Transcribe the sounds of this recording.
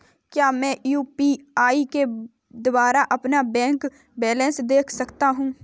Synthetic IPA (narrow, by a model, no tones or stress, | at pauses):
kjaːmɛ̃ːjuːpiːaːike | d̪ʊwaːɾaʔɐpnabɛ̃ːŋk | bɛːlɛ̃ːnsd̪eːkʰsɐkt̪aɦũː